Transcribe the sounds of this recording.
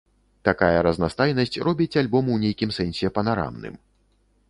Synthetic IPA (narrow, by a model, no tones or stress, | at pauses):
t̪akajɐɾɐznast̪ajnɐsʲt͡sʲrɔbʲit͡sʲalʲbɔmwnʲejkʲimsɛnsʲɛpɐnaɾa̰mnɨ̰m